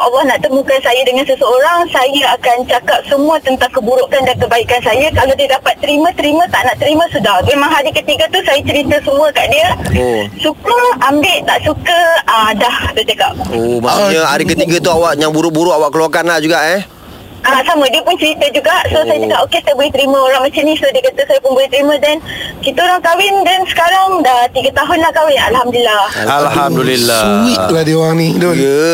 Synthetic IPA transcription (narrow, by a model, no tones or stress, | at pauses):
ʔalːɔhnaʔt̪əmũkansajadəŋansəsəoɾaŋsajəakant͡ʃakap̚səmũət̪ənt̪aŋkəbuɾuʔkandankəbaikansajakaladiədapat̪ːəɾimãt̪əɾimãt̪aʔnaʔt̪əɾimãsudahmemãŋɦaɾikət̪iɡat̪usajat͡ʃəɾit̪əsəmũəkaʔdiəsukəambɪʔt̪aʔsukədahd̪ət͡ʃəkap̚omaɲəaɾikət̪iɡət̪uawaʔjaŋbuɾʊʔbuɾʊʔawaʔkəluakanːaʔd͡ʒuɡaʔɛ | aʔsamədiəpʊnt͡ʃəɾit̪əd͡ʒuɡaʔsosajat͡ʃəkapokesajabəlit̪ɾimə̃oɾaŋmat͡ʃamnĩsodiəkat̪əsajapʊnbəlit̪əɾimə̃dankit̪aoɾaŋkawɪndansə̥kaɾaŋdat̪iɡat̪aɦʊnlahkawɪnalhamduilːaalɦamdulilːauwilahdioɾaŋnido